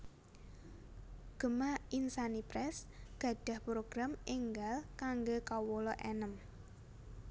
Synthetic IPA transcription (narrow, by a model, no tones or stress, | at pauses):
ɡ̥ə̤mainsanipɾɛsɡ̥ä̤ɖ̥ä̤hpɾoɡ̥ɾameŋɡalkaŋɡokawolɔʔɛnəm